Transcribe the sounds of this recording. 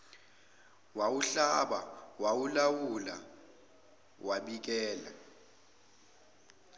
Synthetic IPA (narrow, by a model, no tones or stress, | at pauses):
wawuɬaɓa̰wawulawula̰ | wʔaɓik̬ɛːla̰